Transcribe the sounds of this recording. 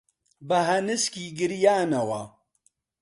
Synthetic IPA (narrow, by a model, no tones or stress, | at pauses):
bɐɦɐnɨskiːɡɨɾijaːnɐwɐ